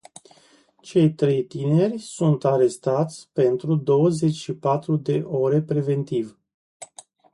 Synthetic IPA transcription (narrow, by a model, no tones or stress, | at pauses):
t͡ʃe̞jt̪ɾe̞jt̪ine̞rʲsunt̪aɾe̞st̪at̪sʲpe̞nt̪ɾud̪o̞wəze̞t͡ʃʃipat̪ɾud̪e̞ʔo̞ɾe̞pɾe̞ve̞nt̪iv